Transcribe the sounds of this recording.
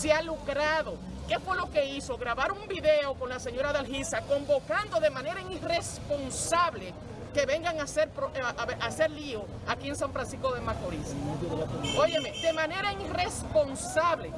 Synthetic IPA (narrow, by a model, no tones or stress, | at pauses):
sealukɾaðo̞ | ke̞fwelo̞ke̞iso̞ɣɾaβaɾumbiðeoko̞nlase̞ɲo̞ɾaðalɦisako̞mbo̞kand̪o̞ðe̞mãneɾaire̞spo̞nsaβle̞ | ke̞βe̞ŋɡaŋaseɾpɾoʔase̞ɾlio | akieŋs̬ãɱfɾansisko̞ðe̞makoɾis | o̞ʝe̞me̞d̪e̞mãne̞ɾaire̞spo̞nsaβle̞